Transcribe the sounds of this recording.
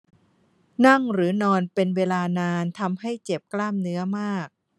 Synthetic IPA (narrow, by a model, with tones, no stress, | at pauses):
na˥˩ŋɾɯː˩˦nɔː˧npe˧nweː˧laː˧naː˧nt̪ʰa˧mha˥˩jt͡ɕe˨˩p̚klaː˥˩mnɯ˦˥ɐmaː˥˩k̚